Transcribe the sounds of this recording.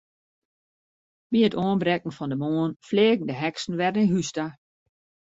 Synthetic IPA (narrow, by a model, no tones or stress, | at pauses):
ʋiətoːnbɾɛk̚ŋ̩fɔndəmoːnfleːɡŋ̩dəɦɛksn̩ʋɛdniɦysta